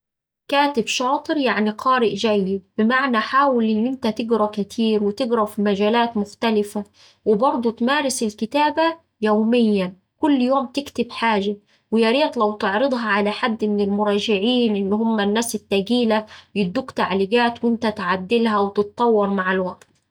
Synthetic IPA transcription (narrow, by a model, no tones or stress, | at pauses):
kæːt̪ɪbʃɑːt̪ˤɨɾjaʕniqɑːɾɪʔʒæjːib̥ɪmaʕnæħaːwɪlʔɪnːʔɪnt̪æt̪ɪɡɾɑkɪt̪ʰiːɾwɪt̪ɪɡɾɑfimæʒæːlæːt̪mʊxt̪ælɪfæ | wɪbɑɾˤd̪ˤut̪mæːɾɪsɪlkɪt̪æːbæ | jowmɪjːæn | kʊlːjoːmt̪ɪkt̪ɪbħaːʒa | wɪjɑɾiːt̪ˤlæwt̪ɪʕɾɨd̪ˤɦɑʕalæħad̪ːmɪnɪlmʊɾˤɑːʒɪʕiːnʔɪnːhʊmːænːæːsɪt̪ːæɡiːlæjɪd̪ːuːkt̪aʕliɡaːt̪wʔɪnt̪æt̪ʕad̪ːɪlɦæwɪt̪ɨt̪̚ˤt̪ˤːɑwːɑɾˤmaʕalwæʔt̪